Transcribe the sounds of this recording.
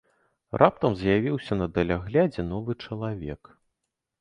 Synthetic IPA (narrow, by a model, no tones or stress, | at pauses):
rʔap̚t̪ɐmzʲjavʲiwsʲɐnɐd̪ɐlʲaɣlʲad͡zʲɛnɔvɨt͡ʂɐlˠavʲɛ̰k